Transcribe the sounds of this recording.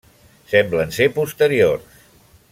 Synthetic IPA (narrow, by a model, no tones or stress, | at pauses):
sɛmblənsepust̪əɾiors